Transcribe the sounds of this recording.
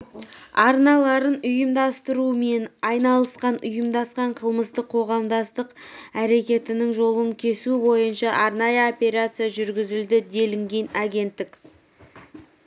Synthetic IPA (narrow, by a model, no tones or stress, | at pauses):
ɑɾnɑlˠɑɾənʊjəmd̪ɑst̪əɾume̞nɑjnɑlˠəsqɑnʊ̰jəmd̪ɑsqɑɴqʰəlˠməst̪əqʰo̞ʁɑmd̪ɑst̪əqæɾe̞kʲe̞t̪ɪnɪŋʒo̞lˠəŋkʲʰe̞subo̞jənʃɑʔɑɾnɑjəopʲe̞ɾat̪sɨjaʒʏɾɡʲɪzɪld̪ɪd̪e̞lɪŋɡʲe̞nɑɡʲe̞nt̪ːɪkʲ